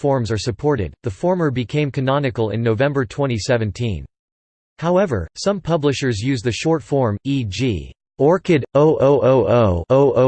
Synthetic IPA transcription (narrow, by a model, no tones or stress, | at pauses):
fɔɹmzə˞sɨpʰɔɹɾɪ̰d̪̚ðəfɔɹmə˞bɨkʰẽɪ̃mkʰɨnɑnɨkl̩ˠɪ̰̃nːoʊvɛ̃mbə˞tʰw̥ɛ̃ɾ̃isɛvɨ̃ntʰḭ̃n | haʊɛvə̰˞sʌ̃mpʰʌblɨʃə˞zjʉzðɨʃɔɹtfɔɹmid͡ʒḭ | ɔɹkɨɾoʊʔoʊʔoʊʔoʊoʊʔo